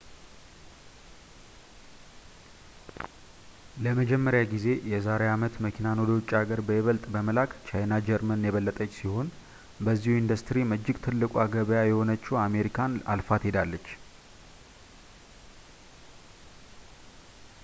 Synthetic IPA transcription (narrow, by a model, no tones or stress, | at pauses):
ləməd͡ʒɛmːəɾjaɡize̞jɛzaɾeamət̪məkʰinanod̪ot͡ʃʼːaɡəɾbəjɛβəlt̪ʼbəməlakt͡ʃʰajnad͡ʒɛɾmənjɛβəlːət̪ʼət͡ʃːsiho̞n | bəzːihuind̪ust̪ʰɾiməd͡ʒːɪɡt̪ʰɨlːɨkʷʼuaɡəβəjajɛho̞nət͡ʃːɛwame̞ɾikʰana̰lfat̪hed̪alːət͡ʃː